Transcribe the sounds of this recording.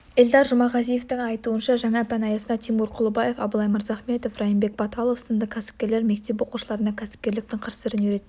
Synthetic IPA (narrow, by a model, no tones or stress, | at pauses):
eld̪ɑɾʒʊmɑʁɑzije̞ft̪ɪŋɑjt̪uənʃɑʒɑŋɑpʰænɑjɑsənɑt̪ʰimuɾqʰʊlˠəbɑje̞fɑbəlˠɑjməɾzɑχme̞t̪o̞frɑjimbe̞k̚bɑt̪ɑlˠofsəmd̪əkʲʰæsɪ̥p̚kʲe̞ɾle̞ɾme̞k̚t̪e̞p̬wo̞quʃəlˠɑɾənɑkʲʰæsɪ̥pkʲe̞ɾlɪk̚t̪ɪŋqʰəɾsəɾɪniɾe̞t̪ː